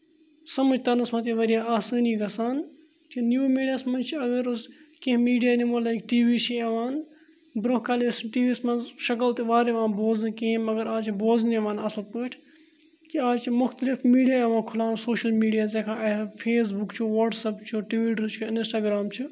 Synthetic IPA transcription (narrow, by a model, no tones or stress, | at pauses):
sɐməd͡ʒt̪ɐnɨsmɐ̃t̪iʋɐɾijaːaːsaːniːɡɐsaːn | kinjuːmiːɖijaːsmɐnt͡ʃʰiɐɡɐɾʊskẽɦmiːɖijaːnimoːlaːkʈiːʋiːt͡ʃʰieʋaːn | bɾoɦkaːlisʈiːʋiːsmɐnzʃɐk̬ɐlt̪iʋaːɾeʋãːnboːznkĩɦmɐɡɐɾaːt͡ʃʰboːzneʋãːnɐslpəːʈʰ | kiaːt͡ʃmʊxt̪əlɪfmiːɖijaːeʋãːkʰʊlaːnsoːʃɐlmiːɖijaːzekʰãːɐfʰeːs̬bʊkt͡ʃʰuʋɐʈsɐpt͡ʃʰuʈʋiːʈəɾt͡ʃʰuɪnsʈaːɡɾaːmt͡ʃʰu